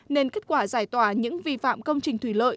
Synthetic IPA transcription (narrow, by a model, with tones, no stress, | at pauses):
ne˧nke˦˥t̚kwaː˧˩zaː˧˩jt̪waː˧˩ɲɨ̰˧˥ŋvi˧fa̰ː˧˨mkə˧wŋ͡mt͡ɕï˨˩ŋ̟t̪wi˧˩lə̰ː˧˨j